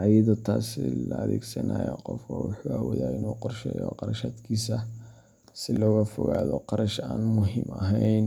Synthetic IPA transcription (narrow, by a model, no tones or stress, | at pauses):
ʕɑjɐðʊt̪ʰaːsɪlɐɐðɛːɡsɐnajɔqɔfkʰɔwʊħuawɔðaːɪnuːqɔrʃɛːjɔqɑɾɐʃaːd̪kʰiːsɐ | sɪlɔːɣɐfɔɣaːðɔqɑɾɐʃaːnmʊɦiːmɐɦɛjn